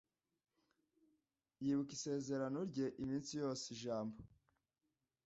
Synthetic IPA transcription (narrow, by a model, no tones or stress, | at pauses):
jiːβukise̞ːze̞ɾanoɾɟe̞ʔimiːnsijo̞ːseiʒaːmbo